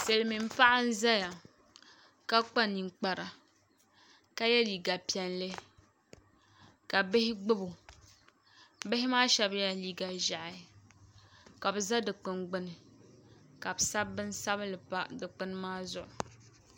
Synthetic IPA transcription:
se˨lɨ˦mi˨m˦pa˦ʔa˦n̩˦za˦ja˨ | ka˦k͡pa˦ni˨ŋk͡pa˨ɾa˨ | ka˦jɛ˦liː˨ɡa˨pi˦ɛ˦nlɨ˦ | ka˨bɪ˦hɪ˦ɡ͡bʊ˦bʊ˨ | bɪ˦ɦɪ˦maː˦ʃɛ˦bja˨liː˦ɡa˨ʒa˨ʔɪ˨ | ka˨bɨ˨za˦dɨ˨k͡pɨ˨nɡ͡bɨ˦nɨ˨ | ka˨bɨ˨sa˦bːɨ˦n˦sa˦blɨ˨pa˦dɨ˨k͡pɨ˦n˦maː˦zʊ˨ʔʊ˨

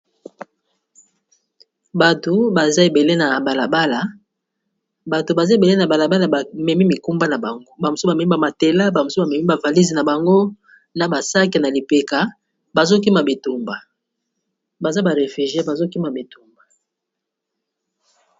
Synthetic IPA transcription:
ba˨to˨ba˨za˦e˨be˨le˦na˨ba˨la˨ba˦la˨ | ba˨to˨ba˨za˦e˨be˨le˦na˨ba˨la˨ba˦la˨ba˨mɛ˨mi˦mi˨ku˦mba˦na˨ba˨ŋɡo˦ba˨mo˨so˦ba˨mɛ˨˦mi˦ba˨ma˨te˨la˦ba˨mo˨so˦ba˨mɛ˨mi˦ba˨va˨li˦zi˨na˨ba˨ŋɡo˦ | na˨ba˨sa˦ke˨na˨li˨pe˨ka˨ | ba˨zo˦k̬i˦ma˨be˨tu˨mba˨ | ba˨za˦ba˨ʁe˨fi˨ʒi˦e˦ba˨zo˦ki˦ma˨be˨tu˨mba˨

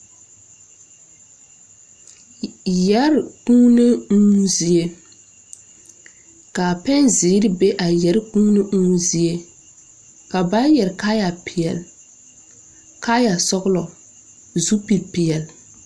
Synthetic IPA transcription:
ja˦ɾkuː˦ne˦uː˦zi˨e˦ | ka˨pɛ˦nzɪː˨˦ɾɪ˦be˦ʔa˨jɛ˨ɾku˦ne˦ʔuː˦zi˨e˦ | ka˨ba˦jɛ˨ɾka˦ja˨pɪ˨ɛ˨l | ka˦ja˨sɔ˦ɣlɔ˨ | zu˦pi˨lpɪ˨ɛ˨l

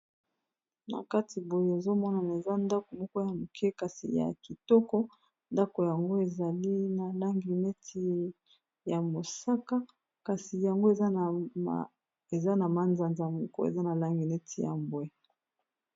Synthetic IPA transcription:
na̰˨ka˦ti˨bo˨je˨e˨zo˦mɔ˦na˨n˨e˨za˦nda˦ko˨mɔ˦kɔ˦ja˨mu˨kʰɛ˦ka˨sḭ˨ja̰˨ki˨tɔ˦kɔ˦ | nda˦ko˨ja˨ŋɡo˦e˨za˨li˦na˨la˦ŋɡi˨nɛ˦tʰi˨ | ja˨mo˨sa˦ka˦ | ka˨si˨ja˨ŋɡo˦e˨za˦˨ | e˨za˦na˨ma˨nza˨nza˨mɔ˦kɔ̰˦ḛ˨za˦na˨la˦ŋɡi˨nɛ˦tʰi˨ja̰˨mbwɛ˦

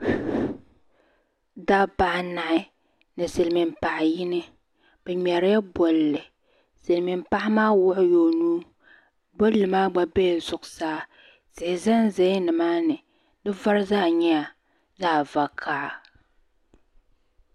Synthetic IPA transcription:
da˦ba˨ʔna˨ʔɪ˦ | nɨ˨sɨ˨lmi˨mpa˨ʔɪ˨jɪ˦nɨ˦ | b̥ɛ˨ɲɛ˨ɾɪ˦ja˦bɔ˨llɨ˨ | sɨ˨lmi˨mpa˦ʔɪ˦maː˦wʊ˦ʔʊ˦jo˨nuː˦ | bɔ˦lːɨ˨maː˦ɡ͡ba˦bɛ˦˨zʊ˨ʔʊ˨saː˦ | sɪ˨ɪ˨za˦nzɛ˨˦jnɨ˨maː˦nɨ˨ | dɨ˦va˦ɾzaː˦˨ɲɛ˦a˨ | zaː˦˨va˨kʰa˦˨

